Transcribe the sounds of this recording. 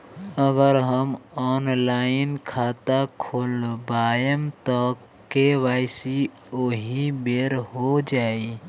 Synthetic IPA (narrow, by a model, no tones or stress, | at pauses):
əɡəɾɦəmɔnlaɪnkʰat̪akʰolbajəmt̪ɔ | keʋaɪsi | oɦibeɾɦod͡ʒai